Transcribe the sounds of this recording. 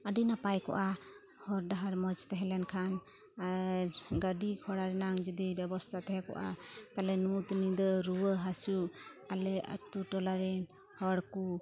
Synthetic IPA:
əɖijnapajkɔ̰ʔa | hɔɾɖaɦaɾmɔd͡ʒt̪ɛɦɛlɛnkʰan | aɾɡəɖikʰɔɽaɾɛnaŋd͡ʒud̪ibɛbɔst̪ʰat̪ɛɦɛkɔ̰ʔa̰t̪alɛnut̪nid̪ɔɾuwəɦasualɛa̰tuʈɔlaɾɛ | hɔɽku

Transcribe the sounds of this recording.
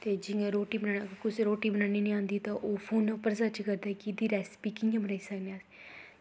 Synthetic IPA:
t̪eːd͡ʒɪŋɡẽːɾoːʈiːbənaːkʊsɾoːʈiːbənaːniːnĩːãːnd̪iːt̪ãːʔoːpʰoːnəpəɾsət͡ʃkəɾd̪aːkɪd̪iːɾɛːspiːkɪjãːbənaːiːsəkneaːs

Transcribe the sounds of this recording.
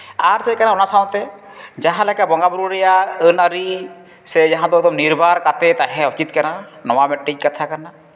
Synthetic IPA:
aɾsɛkanaɔnasaɔ̃t̪ɛ | d͡ʒaɦãlɛkabɔŋɡabuɾuɾɛjaənaɾi | sɛd͡ʒaɦãd̪ɔɡd̪ɔmniɾbʱaɾkat̪ɛt̪aɦɛ̃ut͡ʃit̪̚kananɔwamɛʈːic̚kat̪ʰakana

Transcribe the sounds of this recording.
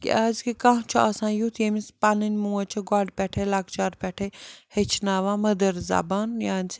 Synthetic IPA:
kḭʔaːzkikãɦt͡ʃʰuɐsãːjut̪ʰjemispanɐnʲmuːɐt͡ʃʰiɡaːɖpɛʈʰelaɡt͡ʃaːɾpɛʈʰehet͡ʃʰnaːʋãmɐd̪əɾza̰ːbaːnjaːnʲt͡ʃʰi̥

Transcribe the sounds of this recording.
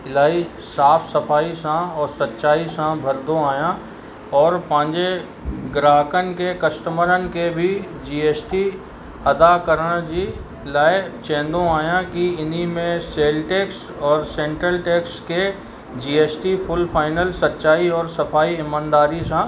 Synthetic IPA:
ɪlaːi | saːfʰsɐpʰaːisãɔːɾsɐtːʃaːisãbʱɐɾd̪õaːjã | ɔːɾpãːɲd͡ʒe | ɡɾaːɦkənkekɐsʈəməɾənɪ̆kebʱi | d͡ʒiːeːsʈi | ɐd̪akəɾəɽ̃d͡ʒi | ɪlaːet͡ʃɛ̃ːnd̪õaːjãkiɪnimẽseːlʈeːks | ɔːɾsẽːɳʈɾəlʈeːkske | d͡ʒiːeːsʈipʰʊlpʰaːɪnəlsɐtːʃaːiɔːɾsɐpʰaːiɪmãːnd̪aːɾisã

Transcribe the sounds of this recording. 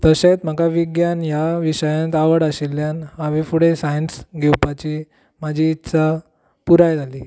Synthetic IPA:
t̪əɕet̪m̤akaʋiɡjanjaʋiɕəjãnt̪aʋəɽəɕilːjanaʋifuɽesajənsɡɛwpat͡ɕiː | mad͡ʑʱiːt̪sa | puɾajd͡zʱali

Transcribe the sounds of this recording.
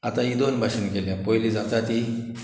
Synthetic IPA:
at̪ãid̪onbʱaɕənkeljãpɔjlid͡zat̪at̪i

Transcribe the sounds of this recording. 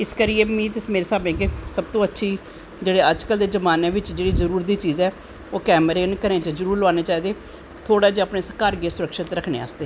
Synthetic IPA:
ɪskəɾieːmĩːt̪ɪsmeːɾeːsaːbẽːkesəbt̪õːətːʃʰiː | d͡ʒeːɽeːəd͡ʒkəld̪eːzəmaːneːʋɪt͡ʃd͡ʒeːɽiːzəɾuːɾd̪iːt͡ʃiːzɛː | oːkɛːmɾeːnkəɾẽːt͡ʃəzəɾuːɾloãːneːt͡ʃaːiːd̪eː | t̪ʰoːɽaːd͡ʒaːpneːsəkaːɾɡeːsʊɾəkʃɪt̪ɾəkʰnḛːa̰ːsd̪eː

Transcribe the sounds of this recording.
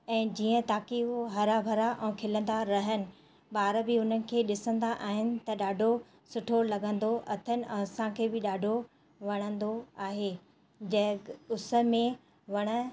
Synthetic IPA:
ɛ̃ːd͡ʑiːə̃t̪aːkioɦɐɾabʱɐɾaʔɛ̃ːkʰɪlə̃nd̪aɾɐɦənɪ̆ | ɓaːɾbɪʊn̤ənɪ̆kʰeːɗɪsə̃nd̪aʔaːɦɪnɪ̆t̪ɐɗaːɖʱo | sʊʈʰolɐɠə̃nd̪oʔɐt̪ʰənɪ̆ʔɛ̃ɐsãkʰeːbɪɗaːɖʱo | ʋɐɽ̃ə̃nd̪oaːɦeː | d͡ʑɐʊsə̆mẽ | ʋɐɽ̃ə̆

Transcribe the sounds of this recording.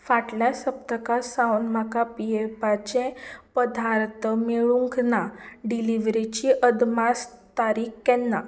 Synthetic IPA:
faʈljasəpt̪əkasawnmakapiepat͡ɕẽpəd̪ʱaɾt̪ʰəmeɭuŋknaɖiliʋɾit͡ɕiʔəd̪mast̪aɾiːkkːɛnːa

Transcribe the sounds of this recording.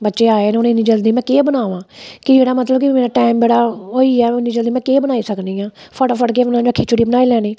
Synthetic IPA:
bətːʃeːaːeːnʊnɪniːd͡ʒəld̪iːmɛ̃ːkeːbənaːʋãːkɪd͡ʒeːɽaːmət̪ləbkɪmeːɾaːʈaːɪmd͡ʒeːɽaːɦoːiːɛːɪnːiːd͡ʒəld̪iːmɛ̃ːkeːbənaːiːsəknĩːãːfʰəʈfʰəɽk̬eːbənaːəkʰːet͡ʃʊɽiːbənaːiːlɛːniː

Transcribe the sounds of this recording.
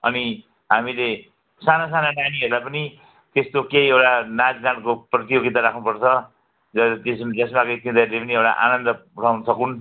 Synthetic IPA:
ʌ̰ni | ɦamile | sanasanananiʌɾulajpʌni | t̪est̪okejewʈanad͡znankoprʌt̪ijoɡit̪aɾakʰnupʌrt͡sʰʌ | d͡zʌt̪esmd͡zʌsmakoit̪ːimd̪ʌɾlepʌniewʈa̰ʔa̰nʌnd̪ʌuʈʰawnusʌkun

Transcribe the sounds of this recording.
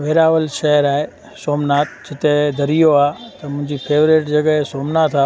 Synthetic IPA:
ʋeːɾaːʋəlʃɐɦəɾaːɦe | soːmnaːt̪d͡ʑɪt̪ed̪ʱɐɾijoaːt̪ɐmʊ̃ɦɪ̃ɲd͡ʑipʰeːʋɾeːʈd͡ʑɐɠsoːmnat̪ʰaː

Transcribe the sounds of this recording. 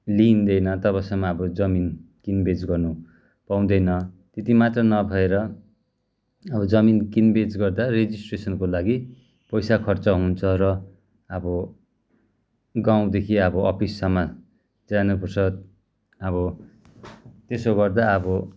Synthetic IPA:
lind̪ʌjnʌt̪ʌbasʌŋmaʌbʌd͡zʌmin | kinbed͡zɡʌrnu | paw̃d̪ʌjnʌ | t̪et̪imat̪rʌnʌbʱʌeɾʌ | ʌbʌd͡zʌminkinbed͡zɡʌrd̪ared͡zisʈresʌnkolaɡi | pʌjsakʰʌrt͡sʌɦunt͡sʰʌɾʌ | ʌbʌ | ɡãw̃d̪ekʰiʌbʌʌpʰisːʌma | d͡zanupursʌ | ʌβʌ | t̪esoɡʌrd̪aʌbʌ

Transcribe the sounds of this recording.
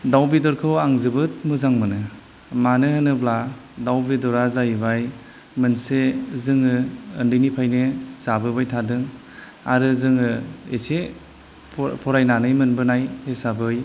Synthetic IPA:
dawbidɔɾkʰɯwaŋzɯbɯt̚mɯzaŋmɯnɯ | manɯhɯnɯbla | dawbidɔɾazabaj | mɯnsezɯŋɯɯndɯjnipʰajnez̥abɯbajtʰadɯŋ | aɾɯzɯŋɯese | pʰpʰɔɾajnanɯjmɯnbɯnajhesabɯj

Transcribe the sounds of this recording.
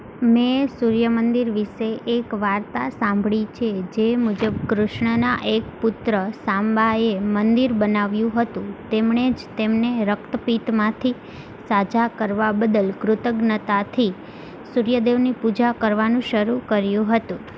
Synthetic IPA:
mesuɾjəmənd̪iɾʋiʃeʔːkʋaɾt̪asãmbʱɭit͡ʃʰed͡ʒemud͡ʒəb̚kɾʊʃɳənaʔek̚pʊt̪ɾəsãmbaemənd̪iɾbənaʋjũɦət̪ũt̪emɳed͡ʒt̪emneɾək̚t̪əpit̪mãt̪ʰi | sad͡ʒakəɾʋabəd̪əlkɾʊt̪əɡnət̪at̪ʰi | suɾjəd̪eʋnipud͡ʒakəɾʋanũʃəɾukəɾjũɦət̪ũ

